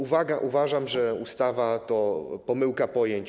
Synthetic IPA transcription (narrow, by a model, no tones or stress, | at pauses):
uvaɡaʔuvaʐamʐɛust̪avat̪ɔpɔmɘwkapɔjeɲt͡ɕ